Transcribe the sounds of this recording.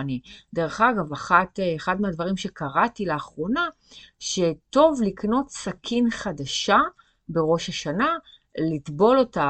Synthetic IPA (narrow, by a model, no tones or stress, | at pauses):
nideʁeχaɡavaχatːχadmeadvaʁimʃe̞kaʁatileːχʁo̞na | ʃeto̞vlikno̞tsakʰinχadaʃa | be̞ʁo̞ʃaʃana | litbo̞lo̞ta